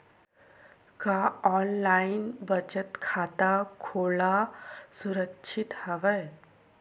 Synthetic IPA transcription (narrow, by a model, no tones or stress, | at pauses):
kaːɔːnlaːɪnbət͡ʃət̪kʰaːt̪akʰoːlasʊɾəkʃʰɪt̪hɐʋəj